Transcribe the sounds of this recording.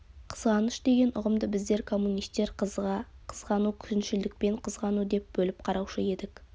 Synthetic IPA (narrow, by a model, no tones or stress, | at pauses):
qʰə̥zʁɑnəʃd̪e̞ɡʲe̞nʊʁəmd̪əbɪzd̪e̞ɾkʰo̞mːunijst̪e̞ɾ | qʰəzʁɑnukʲʰʏzɪnʃɪld̪ɪk̚pe̞ɴqʰəzʁɑnud̪e̞p̚bɵlɪp̚qʰɑɾɑwʃəe̞d̪ɪk